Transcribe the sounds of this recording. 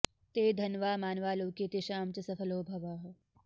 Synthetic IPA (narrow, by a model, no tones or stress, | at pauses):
t̪eːd̪ʱɐnʋaːmaːnʋaːloːkeːt̪eʃaːmt͡ʃɐsɐfʰɐloːbʱɐʋaːɦɐ